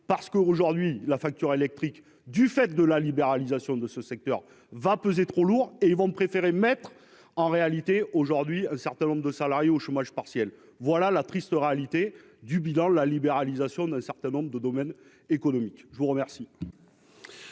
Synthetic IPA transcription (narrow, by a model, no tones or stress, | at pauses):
paʁsə̥kəoʒuʁd̪ɥilafak̚t̪yʁelɛk̚t̪χik | d̪yfɛt̪̚d̪əlalibeʁalizasjɔ̃d̪əsəsɛk̚t̪œʁ | vapøzet̪χoluʁeilvɔ̃pχefeʁemɛt̪χ | ɑ̃ʁealit̪eʔoʒuʁd̪ɥiɛ̃sɛʁt̪ɛ̃nɔ̃mbʁd̪əsalaʁjeoʃomaʒpaʁsjɛl | vwalalat̪χist̪əʁealit̪e | d̪ybilɑ̃əlalibeʁalizasjɔ̃d̪ɛ̃sɛʁt̪ɛ̃nɔ̃bʁd̪əd̪ɔmɛn | ekɔnɔmikʒəvuʁəmɛʁsi